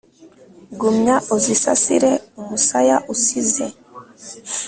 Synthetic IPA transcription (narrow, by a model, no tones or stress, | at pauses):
ɡumɲaʔuzisa̰siɾeumusajaʔusize